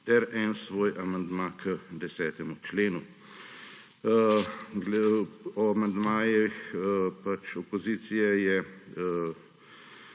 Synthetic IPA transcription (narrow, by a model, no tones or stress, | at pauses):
t̪ɛɾɛnsʋoːjʔamand̪makʰəd̪ɛsɛːt̪ɛmut͡ʃleːnu | ɡlɔamand̪maːjixpat͡ʃɔpɔziːt̪sijɛjɛ